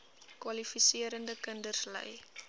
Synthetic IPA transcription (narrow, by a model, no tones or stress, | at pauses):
kwɐlifisiəɾəndəkəndərslə̰j